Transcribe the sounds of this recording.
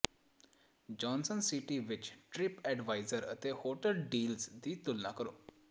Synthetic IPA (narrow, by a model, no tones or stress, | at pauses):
d͡ʑɔnsənsiʈiʋit͡ɕʈɾipɛɖʋajzəɾə̰t̪ehoʈəlɖiːlsd̪iːt̪ulna̰kəɾo